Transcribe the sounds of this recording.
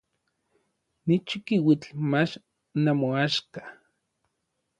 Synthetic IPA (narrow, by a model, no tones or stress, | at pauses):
nit͡ʃikiwit͡ɬmat͡ʃ | namoaʃkḁ